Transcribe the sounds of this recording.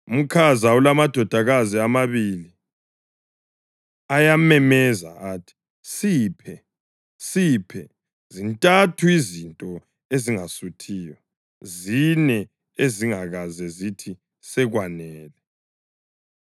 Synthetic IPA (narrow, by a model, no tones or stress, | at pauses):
um̩kʰazaulamad̥ʱɔd̥ʱaɣaziamaβili | ajamɛmɛza̰aːtʰi̥ | siːpʰɛ | sipʰɛ | zintʼatʰuizintʼɔ | eziŋasutʰiːjɔ | zinɛ | eziŋaɣazɛzitʰi | sɛɣwanɛːlɛ